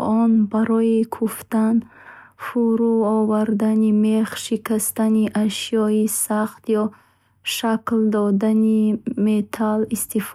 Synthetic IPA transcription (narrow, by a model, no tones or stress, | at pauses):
ɔnbaɾɔikʰuft̪an | fuɾuɔvaɾd̪animeχʃikast̪aniʔaʃjɔisaχt̪jɔ | ʃakld̪ɔd̪animet̪ʰalist̪if